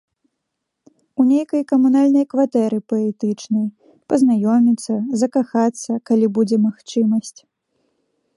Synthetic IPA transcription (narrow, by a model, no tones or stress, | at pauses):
unʲejkɐjkɐmunalʲnɐjkvat̪ɛɾɨpɐɛt̪ɨt͡ʂnɐj | pɐznajɔmʲit̪sːɐzɐkaxat̪sːɐkalʲibud͡zʲɛmaxt͡ʂɨmɐsʲt͡sʲ